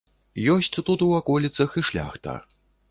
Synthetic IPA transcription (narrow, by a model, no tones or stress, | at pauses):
jɔsʲt͡sʲt̪ut̪uakɔlʲit̪sɐxiʂlʲa̰xt̪ɐ̰